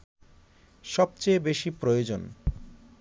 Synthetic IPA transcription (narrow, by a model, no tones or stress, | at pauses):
ʃɔb̚t͡ɕejbeʃipɾojod͡ʑon